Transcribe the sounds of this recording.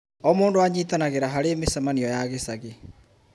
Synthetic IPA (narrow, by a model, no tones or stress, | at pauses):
ɔmoːndoaɲiːtɔnaɣeɾaɦaɾeːmesamaniɔjaːɣesaɣe